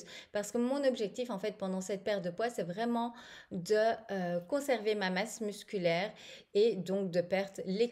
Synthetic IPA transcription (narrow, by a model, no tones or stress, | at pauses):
paʁsə̥kəmɔ̃nɔbʒɛk̚t̪ifɑ̃fɛt̪̚pɑ̃d̪ɑ̃sɛt̪̚pɛʁt̪̚d̪əpwasɛvʁɛmɑ̃d̪əøkɔ̃sɛʁvemamasmyskʲylɛːʁ | ed̪ɔ̃k̚d̪əpɛʁt̪le